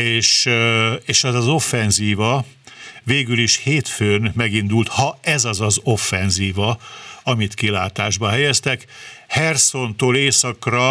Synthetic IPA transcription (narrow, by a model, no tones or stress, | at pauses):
eːʃ | eːʃɛzɒzo̞fːɛnziːvɒ | veːɡyliʃheːt̪føːnmɛɡind̪ult̪hɒɛzɒzɒzo̞fːɛnziːvɒɒmit̪kilaːt̪aːʒbɒɦɛjɛst̪ɛkhɛrso̞nt̪oːleːsɒkrɒ